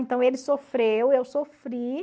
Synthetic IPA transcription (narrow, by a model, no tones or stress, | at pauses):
ẽnt̪ɐ̃w̃elɪsofɾewewsofɾi